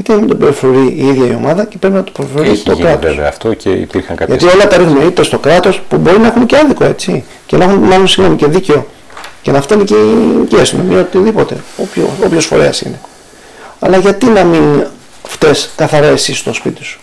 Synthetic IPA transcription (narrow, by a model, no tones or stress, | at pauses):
ʝɐt̪inɐmind̪obeɾofoɾiːiðʝɐio̞̰mɐðɐce̞pɾe̞pinɐt̪o̥peɾoθɾoɾit̪o̞̰kɾɐt̪esḛft̪oceḭpiɾxɐŋkɐʝɐio̞lɐt̪ɐɾixumeit̪est̪o̞kɾɐt̪o̞spubo̞ɾinɐexunceɐðiko̞e̞t͡si | ce̞nɐxunmɐlonsiɣno̞miceðiceo̞ | cenɐft̪einececiɐst̪ino̰miɐot̪iðipot̪e̞̰opço̰opçosfo̞̰ɾe̞̰ɐsḭne̞ | ɐ̰lɐʝɐt̪inɐmin | ft̪e̞skɐθɐɾɐe̞sist̪o̞spit̪i̥su̥